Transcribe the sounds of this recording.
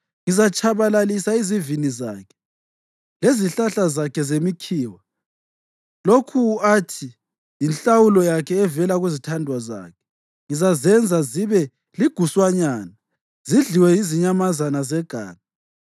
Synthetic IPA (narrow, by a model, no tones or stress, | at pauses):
ŋizat͡ʃʰʼaβalalisaiziviniza̰ːkʰɛ̥ | leziɬaɬazakʰɛzemikʰiːwa | lokʰuatʰi | jinɬawulɔjakʰɛːvɛlaɣuzitʰandʱwaza̰ːkʰɛ̥ | ŋizazɛnd͡zʱaziβɛ | liɡ̥ʱuswaɲaːna | ziɮiwɛjiziɲamazanazɛɡ̥ʱa̰ːna